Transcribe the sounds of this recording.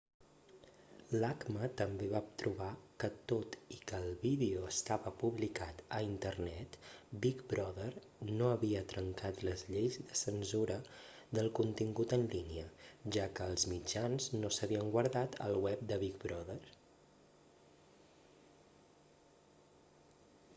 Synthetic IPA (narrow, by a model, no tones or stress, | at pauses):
lakmət̪əmbeβat̪ɾuβakət̪ot̪ikəːlˠβiðeuəst̪aβəpuβlikat̪əint̪əɾnɛt̪bik̚bɾɔðər | noəβiət̪ɾəŋkat̪ləzʎejzðəsənzuɾə | ðəlˠkunt̪iŋɡut̪ənliniəʒakəːlˠzmid͡ʒanznosəβiəŋɡwəɾðat̪ə̰lˠwɛp̚d̪əβik̚bɾɔðəɾ